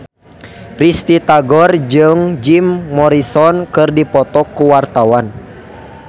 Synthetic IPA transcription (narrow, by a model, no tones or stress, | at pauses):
rist̪it̪aɡɔrd͡ʒɨŋd͡ʒimːɔɾisɔnkɨrdipɔt̪ɔkːuwart̪awan